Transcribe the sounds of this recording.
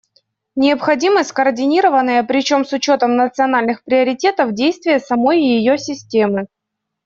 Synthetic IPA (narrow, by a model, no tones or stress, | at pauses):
nʲɪəpxɐdʲiməsʲt̪ʲkərdʲɪnʲiɾəvənːəjəpɾʲɪt͡ɕo̞msʊt͡ɕot̪əmnət̪sɨɐnalʲnɨxpɾʲɪəɾʲɪtʲe̞t̪əvdʲejst̪vʲɪjəsɐmo̞jɪjɪjosʲɪsʲtʲe̞mɨ